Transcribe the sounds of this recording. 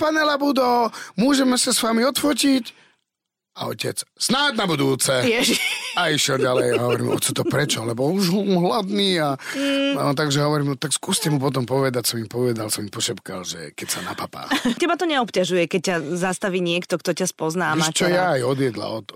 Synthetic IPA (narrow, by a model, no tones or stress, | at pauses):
panɛlabud̪ɔmʊɔːʒɛmɛsasʋamiɔt̪fɔcic | aɔ̰cɛ̰t͡ssnad̪nabud̪uːt͡sɛjɛʒiaiʃjɛlɟalɛjaɦɔʋɔɾḭːmɔ̰t͡sɔt̪ɔpɾɛt͡ʃɔalɛbɔuʒɦmɦlad̪niːa | t̪aɡʒɛɦɔʋɔɾiːmɔt̪akskuːscɛmupɔt̪̬ɔmpɔʋɛd̪acsɔmimpɔʋɛd̪alsɔmimpɔʃɛpkalʒɛ̰kɛcsanapapa̰cɛbat̪ɔɲɛɔpcaʒujɛkɛc̚cːazast̪aʋiːɲɪɛkt̪ɔkt̪ɔcaspɔznaːmat͡ʃɔjaːjɔd̪jɛd̪la̰ɔt̪